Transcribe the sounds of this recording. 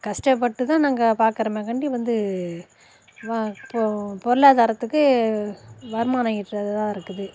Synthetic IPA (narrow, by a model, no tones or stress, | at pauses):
kɐsʈɐp̬ːɐʈːɯt̪ãːnaːŋɡɐpaːɾkɯɾɐmeːkɐɳɖiʋɐnd̪ɯ | ʋappɔɾɯlaːðaːɾɐt̪ːɯkːɯ | ʋɐɾmaːnaːjɪʈːɐðɐt̪ãːɪɾɯkːɯðɯ